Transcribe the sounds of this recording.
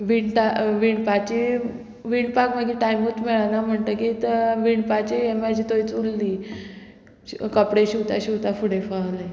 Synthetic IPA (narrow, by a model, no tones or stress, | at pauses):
ʋiɳʈaʋiːɳpat͡ɕi | ʋiːɳpakmaɡiʈajmut̪miɭanam̤əɳt̪əkit̪əʋiːɳɖpat͡ɕiemad͡ʑiːt̪oit͡sulːiː | kəpɽeɕiwt̪aɕiwt̪afuɽefaɦla